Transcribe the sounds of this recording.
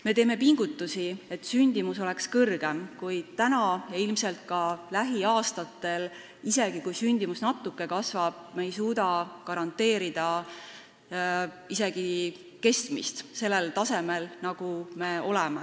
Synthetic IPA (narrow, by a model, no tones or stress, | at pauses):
me̞t̪e̞ːme̞piŋɡ̥ut̪ːˑusie̞t̪ːˑsynʲd̪̥imuso̞lekskɤrɡ̥e̞mkujt̪ænɑjɑilmselt̪̚kɑlæɦiɑːst̪ɑt̪ːˑe̞l | ise̞ɡ̥ikujsynʲd̪̥imusnɑt̪ːˑukːe̞kɑsvɑb̥̚mejsuːd̪ɑkɑɾɑnt̪ːe̞ːɾid̪̥ɑ | ise̞ɡ̥i | ke̞st̪mḭst̪se̞lːelt̪ɑse̞me̞lnɑɡ̥ume̞o̞lɛme